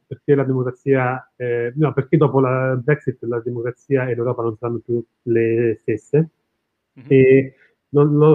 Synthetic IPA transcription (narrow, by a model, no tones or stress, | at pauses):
perkelad̪emokɾat̪sːiːaɛnɔperk̟ed̪ɔːpolabɾɛksit̪ːlad̪emokɾat̪siːaelːewɾɔːpanonsaɾanːopju | lest̪esːe | e | nonlo